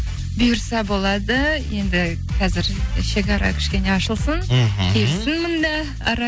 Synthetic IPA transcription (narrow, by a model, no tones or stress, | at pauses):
bʊjəɾsɑbo̞lˠɑd̪əje̞nd̪ɪ | qʰɑzɪɾʃe̞kʲɑɾɑ̰kʲʰɪ̥ʃkʲe̞ne̞ɑʃəlˠsəŋkʲʰelɪsɪnmənd̪ɑ | ɑɾɑ